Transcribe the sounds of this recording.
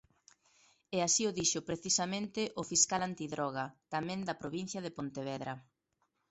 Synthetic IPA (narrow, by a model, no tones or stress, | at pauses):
ɛasiʊðiʃʊpɾeθisɐmẽnt̪ɪʔʊfiskalant̪iðɾɔɣ̞ɐt̪amɛ̃ŋd̪ɐpɾoβin̟θjɐð̞epont̪eβ̞ɛðɾɐ